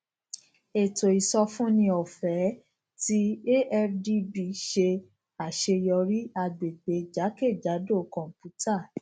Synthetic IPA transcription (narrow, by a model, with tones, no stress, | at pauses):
e˨to˨i˨sɔ˧fũ˦nĩ˧ɔ˨fɛ˨˦ | ti˦e˦ʔɛ˧ɾdi˧bi˧ʃe˧ | a˨ʃe˧jɔ˧ɾi˦a˧ɡ͡be˨ɡ͡be˨˦d͡ʒa˨˦ke˦˨d͡ʒa˨˦do˦˨kɔ̃˨m˨pu˨˦tʰa˦˨